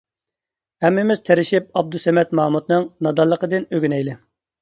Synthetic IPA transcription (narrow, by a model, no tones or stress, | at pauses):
hɛmːɪmɪz̥t̪ʰeɾɪʃip̚ɑb̚d̪usɛmɛt̪mɑːmut̪nɨŋnɑd̪ɑlˠːəqəd̪ɨnøɡʲynɛjlɪ